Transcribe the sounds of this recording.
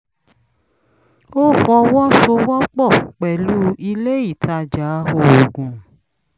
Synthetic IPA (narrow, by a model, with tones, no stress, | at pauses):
o˦˨fɔ˧wɔ˦so˧wɔ˦k͡pɔ˦˨k͡pɛ˨lu˦i˧le˦i˦˨tʰa˧d͡ʒa˨˦ho˧o˨ɡũ˨